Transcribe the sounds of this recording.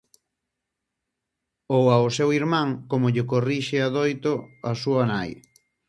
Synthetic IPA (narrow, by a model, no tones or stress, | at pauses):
owaosewiɾmãŋkomoʎɪkoriʃeaðojt̪oasuɐnaj